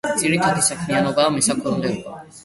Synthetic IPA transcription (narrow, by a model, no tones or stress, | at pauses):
d̪z̥ʼiɾit̪ʰad̪isakʰmianɔbamisakʰuɾund̪ɛukɔ̰